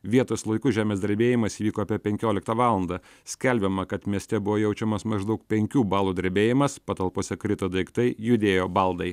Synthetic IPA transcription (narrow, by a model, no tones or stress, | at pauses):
ʋʲiɛt̪oːslˠɐɪkʊʒʲæːmʲeːzd̪ɐɾʲbʲeːjɪmɐsiʋʲiːkoːɐpʲiɛpʲɛŋʲkʲoːlʲɪkt̪ɐʋɑːlˠɐnd̪ɐ | sʲkʲɛlʲbʲɛmɐkɐt̪mʲiɛsʲt̪ʲɛbʊʋoːjɛʊt͡ʃʲɛmɐsmɐʒd̪ɐʊk̚pʲɛŋʲkʲuːbɑːlˠuːd̪ɐɾʲbʲeːjɪmɐspɐt̪ɐlˠpoːsʲɛkɾʲɪt̪ɐd̪ɐɪkt̪ɐɪjʊd̪ʲeːjoːbɐlˠd̪ɐɪ